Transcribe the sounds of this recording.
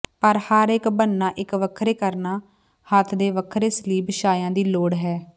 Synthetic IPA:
pəɾhəɾɪkbənːãːʔɪkʋəkʰɾeːkəɾnaː | hət̪ʰd̪eːʋəkʰɾeːsəliːbʃaːjãːd̪iːloːɽɦɛː

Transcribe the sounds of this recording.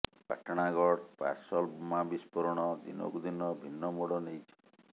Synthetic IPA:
pa̰ʈɔɽ̃aɡɔɽpa̰ɾsɔlbumabispɔɾɔɽ̃ɔd̪ḭno̰kud̪inɔbʱinːɔmuɽɔnejt͡ʃʰɔ̥

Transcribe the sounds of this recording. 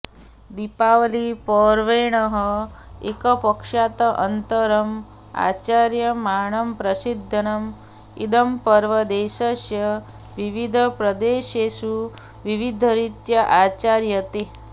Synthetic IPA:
d̪ipaːʋɐlipɔːɾʋeːɳɐɦɐekɐpɐkʂaːt̪ɐʔɐnt̪ɐɾɐm | a̰ːt͡ʃaːɾjɐmaːɳɐmpɾɐsid̪ʱːɐnɐm | id̪ɐmpɐɾʋɐd̪eːʃɐsjɐ | ʋiʋid̪ʱɐpɾɐd̪eːʃeːsu | ʋiʋid̪ʱɐɾit̪jɐʔaːt͡ʃaːɾjɐt̪e

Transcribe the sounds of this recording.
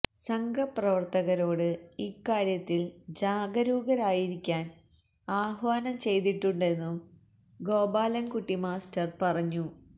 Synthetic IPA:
sɐŋɡʱɐprɐʋɐrt̪ɐɣɐɾo̞ːɽɨikːaːɾjɐt̪ːild͡ʑaːɡɐɾuːɣɐɾaːjiɾikʲːaːn | aːhʋaːnɐmt͡ɕe̞jt̪iʈːuɳɖe̞nːum | ɡo̞ːbaːlɐnkuʈːimaːstɐrpɐrɐɲːu

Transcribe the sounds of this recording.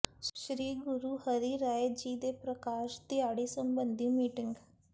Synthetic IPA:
ʃɾiːɡʊɾuːhəɾiːɾaːed͡ʒiːd̪eːpɾəkaːʃt̪ɪjaːɽiːsəmbənd̪iːmiːʈɪŋɡ

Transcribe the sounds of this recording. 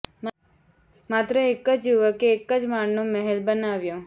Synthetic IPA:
mat̪ɾəekəd͡ʒjuʋəkeːkːəd͡ʒmaɳnoməɦɛlbənaʋjõ

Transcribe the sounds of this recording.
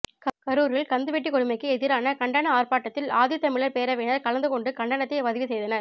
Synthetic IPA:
kɐɾuːɾɪɭkɐnd̪ɯʋɛʈːikɔɽɯmɐɪkːɯɛðɪɾaːnɐkɐɳɖɐnɐaːrpaːʈːɐt̪ːɪlaːðɪjɐt̪ːɐmɪɭɐɾpeːɾɐʋeːnɐɾkɐlɐnd̪ɯkɔɳɖɯkɐɳɖɐɳɐt̪ːeɪʋɐðɪʋisɛjðɐnɐɾ

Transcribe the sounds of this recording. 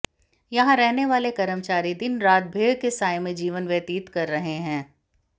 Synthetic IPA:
jɐɦãɾɛɦneʋaːlekɐɾəmt͡ʃaːɾid̪ɪnɾaːt̪̚bʱeːɽkesaːjmẽd͡ʒiːʋənʋjɐt̪iːt̪kɐɾːɐɦeɦɛ̃ː

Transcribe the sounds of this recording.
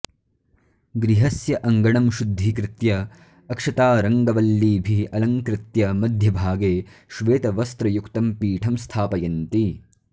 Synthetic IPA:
ɡɾiɦɐsjɐʔɐŋɡɐɳɐmʃud̪ʱːikɾɪt̪jɐː | kʂɐt̪aːɾɐŋɡɐʋɐlːiːbʱiɐlɐŋkɾɪt̪jɐmɐd̪ʱjɐbʱaːɡeːʃʋeːt̪ɐʋɐst̪ɾɐjukt̪ɐmpiːʈʰɐmst̪ʰaːpɐjɐnt̪i

